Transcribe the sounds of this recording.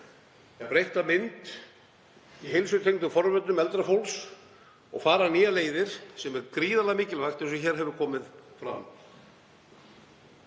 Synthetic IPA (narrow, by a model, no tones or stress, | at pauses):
ɛpɾejht̪amɪnt̪ | iɦejlsʏt̪ʰejknt̪ʏfɔɾvɛt̪ʏmɛlt̪ɾafowls | ɔ̰ɣfaːɾaniːaleːjðɪɾ̥sɛmɛɾkɾiːðalamiːcɪlvajxt̪ɛsvɛçɛːɾ̥ɦɛvʏɾkʰɔːmɪðfɾa̰m